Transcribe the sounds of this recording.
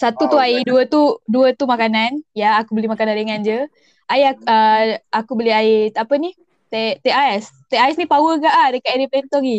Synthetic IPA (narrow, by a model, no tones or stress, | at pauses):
sat̪ut̪uaiduət̪uduət̪umakananjaːkubəlimakanaɾəŋand͡ʒə | aiaəakubəliaiapəni | t̪et̪eʔaɛst̪eaɛsnipawəɡaʔahdəkaʔeɾiplɛnt̪ɔɡi